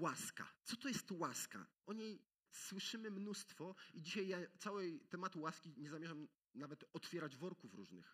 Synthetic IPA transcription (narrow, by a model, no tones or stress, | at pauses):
waska̰t̪sɔt̪ɔjɛst̪waska̰ʔɔɲej | swɘʂɘmɘmnust̪fɔid͡ʑiɕajːat̪sawɛjt̪ɛmat̪uwaskʲiɲɛzamʲɛʐam | navɛt̪ɔt̪fʲjɛɾad͡ʑvɔɾkufɾṵʐnɘ̰x